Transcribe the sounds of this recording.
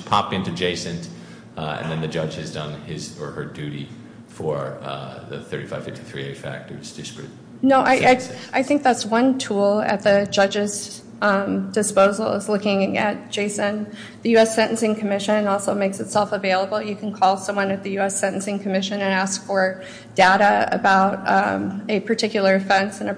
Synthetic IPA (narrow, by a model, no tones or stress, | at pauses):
pʰɑp̚ɪ̃ntʉd͡ʒeɪsɨ̃nt | ɨ̰̃nðɨ̃nðɨd͡ʒʌd͡ʒ̥ɨzdʌ̃nɪzə˞ə˞dʉɾḭ | fə˞ðɨ̰θɜ̰˞ɾifa̰ɪv̥fɪfti̥θɹḭeɪfæ̰k̚tə˞ɨz̥d̥ɪskɹɨt̚ | noʊʔaɪaɪaɪθɪ̃ŋk̚ðætswʌ̃ntʰulˠɨ̰t̪̚ðɨd͡ʒʌd͡ʒɨz | d̥ɨspoʊzl̩ˠzlʊkɪ̃ŋɨ̰t̚d̥ʒ̥eɪsɨ̃n | ðɨjʉɛsɛ̃ñʔɨ̃n̩sɪ̃ŋkʰɨmɪʃɨ̃nɔlˠsoʊmeɪksɨtsɛlˠfəveɪlˠəbl̩ˠjɨkʰn̩kʰɔlˠsʌ̃mwʌ̃nɨt̪̚ðɨjʉɛsɛ̃ɾ̃ʔn̩sɪ̃ŋkʰɨmɪʃɨ̃nɨ̃næskfə˞ | d̥aʊɾɨɨ̰baʊɾ | ɨpʰə˞tʰɪkjl̩ˠə˞fʌ̃nsɨ̃nɨ